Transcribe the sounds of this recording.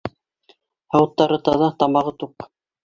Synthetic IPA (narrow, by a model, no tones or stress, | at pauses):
hɑwɤt̪ːɑɾɤt̪ɑðɑt̪ɑmɑʁɤt̪uq